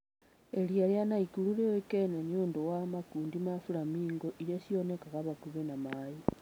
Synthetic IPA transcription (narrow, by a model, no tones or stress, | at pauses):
eɾiaɾjanaikuluɾeoekenenioːndowamakuːndimafuɾamiːŋɡoʔiɾesjonekakaβakuβenamaji